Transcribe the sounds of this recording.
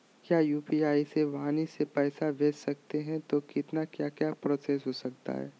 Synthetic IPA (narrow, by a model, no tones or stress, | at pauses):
kjaːjuːpiaːiseʋaanisepɛːsabʱeːd͡ʒsɐk̚t̪eɦɛ̃t̪okɪt̪nakjaːkjaːpɾoːseːs̬ɦoːsɐk̚t̪a̰ɦɛ̰ː